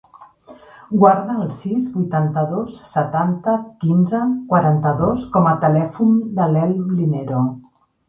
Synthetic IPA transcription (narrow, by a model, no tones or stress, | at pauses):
ɡwaɾðəːlˠsizbujt̪ant̪əðosːət̪ant̪əkinzəkwaɾant̪əðoskɔmət̪əlɛfund̪əlɛlmlinɛɾo